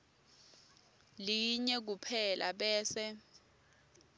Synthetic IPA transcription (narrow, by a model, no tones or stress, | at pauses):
liɲɛk̬upʰɛlʔa̰ɓɛːsɛ